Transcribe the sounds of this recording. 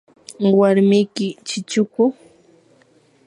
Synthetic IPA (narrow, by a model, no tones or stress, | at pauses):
waɾmɪjkɪt͡ʃɪt͡ʃʊkʊ